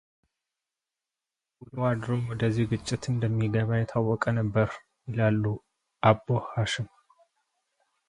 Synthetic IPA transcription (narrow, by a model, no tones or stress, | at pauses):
wulwad̪ɾomwɔd̪əzːihɡɨt͡ʃʼːɪt̪ɨnd̪əmːiɡəβajɪt̪ʰawːɔkʼənəbːəɾ | jɪlalːu | ʔabːohaʃɪm